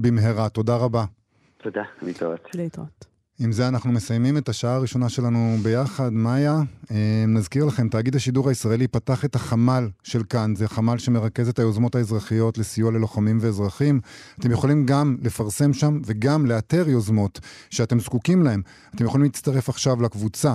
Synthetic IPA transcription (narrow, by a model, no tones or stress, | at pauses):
bimɦeʁat̪o̞daʁaba | t̪od̪anit̪ot̪t | imzeanaχnume̞sajmime̞taʃaaːʁiʃo̞naʃe̞lanube̞jaχadmajaenazkiʁlaχe̞mtaːɡid̪haʃiduʁaisʁaelipataχe̞taχamalʃe̞lkanzeχamalʃe̞me̞ʁake̞zetajo̞zmo̞taezʁaχijo̞tle̞sijuale̞loχamimve̞ːzʁaχimat̪e̞mjeχolimɡamle̞faʁse̞mʃamve̞ɡamle̞ate̞ʁjo̞zmo̞tʃeate̞mzkukimlahe̞m | at̪emjeχolimlit͡st̪aʁe̞faχʃavlakvut͡sa